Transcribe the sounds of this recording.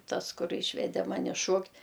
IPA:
ˈtɐs ˈkʊr ˈiːʃʲʋʲɛdʲɛ ˈmɑːnʲɪ ˈʃuɔktʲ

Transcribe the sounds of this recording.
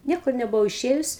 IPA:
ˈnʲiɛkʊr nʲɛbʊˈʋɐʊ ɪˈʃʲeːjʊs

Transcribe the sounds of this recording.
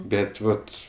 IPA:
ˈbʲɛt ˈʋɐt

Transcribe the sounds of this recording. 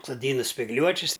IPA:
soːˈdʲiːnɐ sʲpʲɪɡˈlʲuɔt͡ʃʲɪs

